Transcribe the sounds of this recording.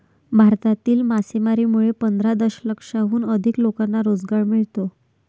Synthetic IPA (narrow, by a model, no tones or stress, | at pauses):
bʱaɾt̪at̪iːlmasemaɾiːmuɭepənd̪ʱɾad̪əɕləkʂaʋuːnəd̪ʱiklokanːaɾod͡zɡaɾmiɭt̪o